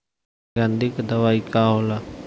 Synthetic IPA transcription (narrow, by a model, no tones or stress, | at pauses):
ɡãnd̪ikd̪ɐʋaːikaɦola